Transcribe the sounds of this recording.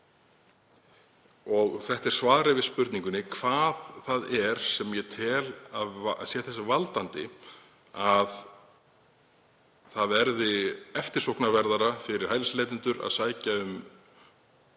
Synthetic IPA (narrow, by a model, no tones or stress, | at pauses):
ɔɣθɛht̪ɛɾ̥svaːðɾɪvɪðspʏɾt̪nĩŋkʏnɪkʰv̥aːðθaðɛɾ̥sɛmjɛt̪ʰɛːlaðsjɛːθɛsːavalt̪ant̪ɪ̰ | að | θaðvɛɾðɪɛft̪ɪɾ̥sowknavɛɾðaɾafɪɾɪɾ̥hajlsleːt̪ɪnt̪ʏɾa̰ðsaːjcaʏm